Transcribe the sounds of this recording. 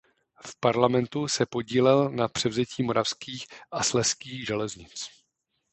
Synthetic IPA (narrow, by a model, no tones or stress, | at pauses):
fpaɾlamɛnt̪usɛpo̞ɟiːlɛlnapr̝̥ɛvzɛciːmo̞ɾafskiːxʔaslɛskiːɣʒɛlɛzɲɪt͡s